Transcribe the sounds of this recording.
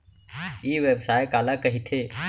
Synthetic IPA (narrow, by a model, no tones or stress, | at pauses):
iːʋebsaːjkaːlakɐɦit̪ʰeː